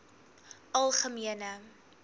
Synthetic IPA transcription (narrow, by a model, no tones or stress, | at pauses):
ʔɐlˠχəmiənə